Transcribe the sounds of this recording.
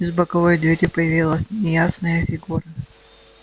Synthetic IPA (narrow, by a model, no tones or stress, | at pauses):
ɪzbəkɐvojd̪vʲɪɾʲipəjɪvʲilˠəsʲnʲɪjasnəjəfʲɪɡuɾə